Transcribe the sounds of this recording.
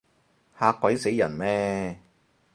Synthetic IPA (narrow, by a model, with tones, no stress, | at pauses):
haː˧kʷːwɐ˨˥jse˨˥jːɐ̰˨˩nmɛː˥